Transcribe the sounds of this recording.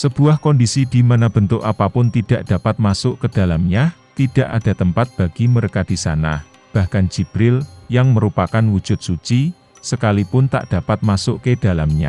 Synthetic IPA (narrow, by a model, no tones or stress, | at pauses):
səb̥uahkɔndisid̪̥imanab̥ənt̪ʊkapapʊnt̪id̥aʔd̥a̤pat̪̚masʊʔkəd̥a̤lamɲat̪id̥a̤ʔa̰d̥a̤t̪əmpat̪̚b̥a̤ɡ̥iməɾekad̥isa̰na̰ | b̥ahkand͡ʒ̥ib̥ɾɪljaŋməɾupakanwu̥d͡ʒ̥ʊt̪̚sut͡ʃi | səkalipʊnt̪a̰ʔd̥a̤pat̪̚masʊʔked̥a̤lamɲa̰